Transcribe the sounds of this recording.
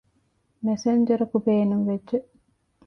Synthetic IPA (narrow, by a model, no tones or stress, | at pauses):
mesend͡ʒɐɾɐkubeːnuŋʋedd͡ʒe